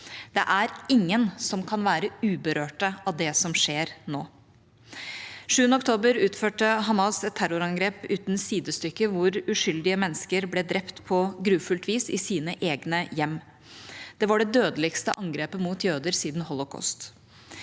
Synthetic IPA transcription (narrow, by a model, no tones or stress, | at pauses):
d̪̥ɛ̰ʔæɾɪŋːənsɔmkʰɑnʋæːɾəʉːbəɾøːʈəʔɑʋd̪ɛsɔmʂeːɾnoː | ʂʉːənəɔkt̪ʰoːbəɾʉːt̪føːʈəɦɑmɑsɛt̪ʰːæɾʊɾɑŋɡɾeːpʉ̰ːt̪nsiːd̪əst̪ʏkːəʋʊɾʉʂʏld̪ɪəmɛnːəskəɾblɛd̪ɾɛpt̪pʰɔɡɾʉːfʉlt̪ʰʋiːsɪsiːnəʔeːɡnəjɛmː | d̪̥ɛʋɑɖɛd̪øːd̪əlɪɡst̪əʔɑŋɡɾeːpəmuːt̪jøːd̪əɾsiːd̪nhɔlʊkʰɔ̰st̪